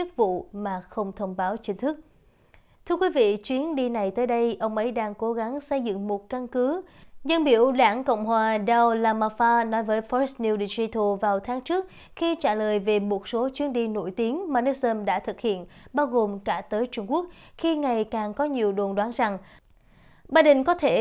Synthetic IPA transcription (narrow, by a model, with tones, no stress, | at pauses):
t͡ɕɨ˦˥k̚vṵ˧˨maː˨˩xə˧wŋ͡mt̪ʰə˧wŋ͡mɓaː˨˦wt͡ɕï˨˦ŋ̟t̪ʰɨ˦˥k̚ | t̪ʰɨ˧əkwi˨˦vḭ˧˨t͡ɕwi˨˦ənɗi˧na˨˩jt̪əː˨˦jɗə˧jʔə˧wŋ͡mʔə˨˦jɗaː˧ŋko˨˦ɣa˨˦ŋsə˧jzɨ̰˧˨ŋmo˨˩t̚ka˧nkɨ˨˦zə˧nɓḭ˧˩əwɗa̰ː˧˩nko̰˧˨wŋ͡mɦwaː˨˩ɗa˧wlaː˧maː˧faː˧nɔ˨˦jvəː˨˦jfɔ˨˦˥s̚ni˧wɗi˧˩zi˧t̪ʰo˨˩vaː˨˩wt̪ʰaː˨˦ŋt͡ɕɨ˦˥ək̚ | xi˧t͡ɕaː˧˩ləː˨˩jve˨˩mo˨˩t̚so˨˦t͡ɕwi˨˦ənɗi˧no̰˧˩jt̪i˨˦əŋmaː˨˩nɛ˦˥t̚zəː˧mɗa̰ː˧˥t̪ʰɨ˨˩k̚hḭ˧˨ənɓaː˧wɣo˨˩mkaː˧˩t̪əː˨˦jt͡ɕʊ˧ŋ͡mku˦˥ək̚xi˧ŋa˨˩jkaː˨˩ŋkɔ˨˦ɲi˨˩əwɗo˨˩nɗwaː˨˦nza˨˩ŋ | ɓaː˧˩ɗï˨˩ŋ̟kɔ˨˦t̪ʰe˧˩